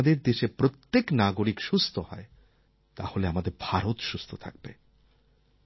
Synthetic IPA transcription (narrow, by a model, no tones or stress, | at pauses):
d̪eɾd̪eʃepɾot̪ːeknaɡoɾikʃust̪ʰohɔ̰e | t̪a̰holeamad̪eɾbʱaɾot̪ʃust̪ʰot̪ʰa̰k̚bḛ